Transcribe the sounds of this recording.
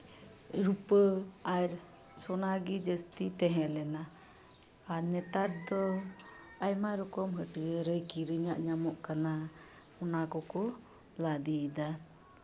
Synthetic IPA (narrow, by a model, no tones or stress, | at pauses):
ɾupəaɾ | sɔnaɡid͡ʒəst̪it̪ɛɦɛlɛnaː | ɾnɛt̪aɾ̚d̪ɔ | ajmaɾɔkɔmɦəʈiəɾəjkiɾəɲaʔɲamɔʔkana | ɔnakɔkɔ | lad̪id̪a